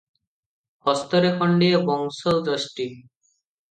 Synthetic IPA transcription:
hɔst̪oɾekʰɔɳɖeebɔŋsowd͡ʑɔʃʈi

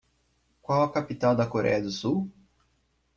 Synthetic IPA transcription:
kʷwawɐkapit̪awd̪ɐkoɾɛ̰jɐd̪ʊsu

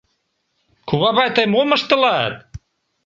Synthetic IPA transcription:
kuβɑβɑjt̪əjmoməʃt̪ə̆lɑt̪̚

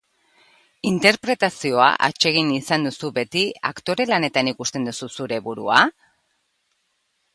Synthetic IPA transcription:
int̪e̞ɾpɾe̞t̪asio̞a̰ʔa̰t͡ʃe̞ɣ̞inisand̪usuβe̞t̪ia̰kt̪o̞ɾe̞lane̞t̪anikust̪e̞nd̪ususuɾe̞βuɾua

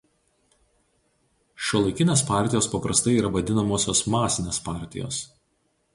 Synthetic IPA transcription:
ʃʲuːlˠɐɪkʲɪnʲeːspɑˑɾʲt̪ʲɪjoːspɐpɾɐst̪ɐɪiːɾɐʋɐd̪ʲɪnɐmoːsʲoːsmɑːsʲɪnʲeːspɑˑɾʲt̪ʲɪ̰jo̰ːs

